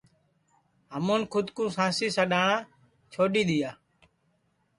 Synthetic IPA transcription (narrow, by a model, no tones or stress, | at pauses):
ɦəmoːnkʰʊd̪kũːsãːsiːsəɗaːɳãː | t͡ʃʰoːɗiːɗ̪ɪjaː